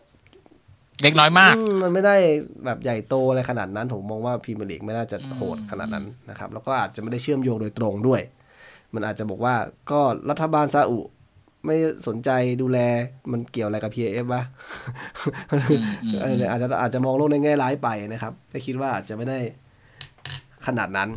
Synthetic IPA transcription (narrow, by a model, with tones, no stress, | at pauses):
le˦˥k̚nɔː˦˥jmaː˥˩ɯː˧˩ma˧nma˥˩jda˥˩jbɛː˨˩p̚ja˨˩jt̪oː˧a˧ɾa˧jkʰa˧na̰ː˨˩t̪̚na˦˥npʰo˨˩˦mːɔː˧ŋwaː˥˩pʰiː˧ma˧nʔḛː˨˩k̚ma˥˩jnaː˥˩t͡ɕa˨˩hʰo̰ː˨˩t̪̚kʰa˧na̰˨˩na̰˦˥nːa˦˥kʰa˦˥p̚lɛː˦˥wkɔː˥˩ʔaː˨˩t̪̚t͡ɕa˨˩ma˥˩da˥˩jt͡ɕʰɯ˥˩əmjoː˧ŋdoː˧jt̪ɾo˧ŋdu˥˩əj | ma˧nʔaː˨˩t͡ɕa˨˩bɔː˨˩k̚waː˥˩kɔː˥˩lʔa˦˥t̪ʰːa˧baː˧nsaː˧ʔu˨˩ʔ | ma˥˩jso˩˦nt͡ɕa˧jduː˧lɛː˧ma˧nki˨˩əwʔla˧ka˨˩pʰiː˧eː˧ʔe˦˥p̚ba˦˥ | a˧n˧˩ʔaː˨˩t͡ɕa˨˩ʔaː˨˩t̪̚t͡ɕa˨˩mɔː˧ŋloː˥˩k̚na˧jŋɛː˥˩laː˦˥jpa˧ja˧na˦˥kʰa˦˥p̚kʰɛː˥˩kʰi˦˥t̪̚waː˥˩ʔaː˨˩t̪̚t͡ɕa˨˩ma˥˩jda˥˩j | kʰa˧naː˨˩t̪̚na˦˥n